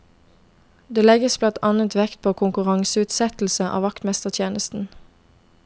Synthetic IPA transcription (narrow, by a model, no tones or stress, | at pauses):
d̪eːlɛɡəsblɑnt̪ʰɑnət̪ʋɛkt̪̚pʰoːkʰʊŋkʉʁɑŋsəʉːt̪sɛt̪l̩səʔɑ̰ːʋɑkt̪mɛst̪əʁt̪ʰjeːnəst̪n̩